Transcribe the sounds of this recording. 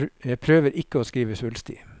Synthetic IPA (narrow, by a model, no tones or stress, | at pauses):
jæɪpʰɾøːʋəɾʔɪkəoːskiːʋəsʉːlst̪ḭː